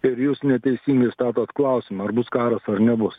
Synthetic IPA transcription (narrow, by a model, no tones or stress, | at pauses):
ɪɾjuːsnʲɛt̪ʲɛɪsʲiːŋɡɐɪst̪ɑːt̪oːt̪klˠɐˑʊsʲɪmɐɐɾbʊskɑːɾɐsɐɾnʲɛbʊs